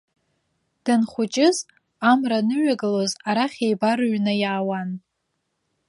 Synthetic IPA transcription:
d̥anχʷʊt͡ʃʼɪz | amranɨɥʷaɡɨlozaɾaχʲejbarɥnajaːwan

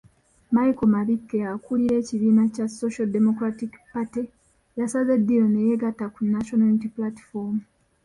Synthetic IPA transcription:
maikomaβikːeakuliɾe̞ːciβiːnacaso̞ʃademo̞kɾatikpati | jasaze̞dːiɾo̞neje̞ɡatːakunːaʃo̞nalitiplati̥fomu

